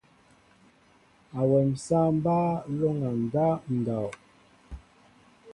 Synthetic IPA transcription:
a˨wɛ˨m̩˨sa˦m̩˦ba˦lo˦ŋa˨n˨da˦n̩˨da˨

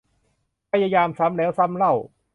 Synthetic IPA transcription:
pʰa˧ja˧jaː˧msa˨˦˥mnɛː˨˦˥wsa˧˥˩mɾa˥˩w

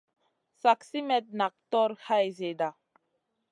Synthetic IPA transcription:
sa˨ksi˦mɛ˨t̪̚na˨k̚tɔ˦ɾha˦jze˨da˨

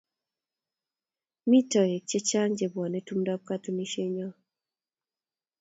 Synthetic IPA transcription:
mi˦tɔ˨je˨t͡ʃɛ˦t͡ʃa˦ŋd͡ʒe˨bwɔ˨ne˦tu˦mdɔ˦p̚ka˦tu˦ni˦ʃe˦ɲɔ˦

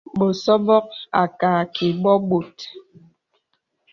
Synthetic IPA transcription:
bo˨sɔ˦vɔ˦k̚a˨ka˨kʰi˨bɔ˦ɓo˨t

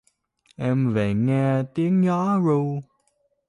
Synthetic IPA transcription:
ʔɛ˧mvḛ˨˩ŋɛ˧t̪i˨˦əŋɲɔ˨˦zu˧

